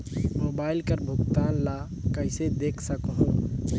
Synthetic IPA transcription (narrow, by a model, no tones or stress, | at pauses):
mobaːilkəɾbʱʊkt̪aːnla | kəɪsed̪eːkʰsəkɦũ